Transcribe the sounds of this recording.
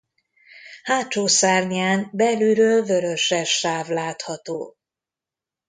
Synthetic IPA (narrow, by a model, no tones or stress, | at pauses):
haːt͡ʃːoːsaːrɲiaːnbɛlyːɾøːlvøɾøʃɛʃaːvlaːt̪hɒt̪o̰ː